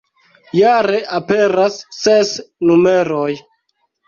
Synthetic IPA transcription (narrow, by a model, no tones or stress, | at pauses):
jaɾe̞ʔape̞ɾasːesnume̞ɾoj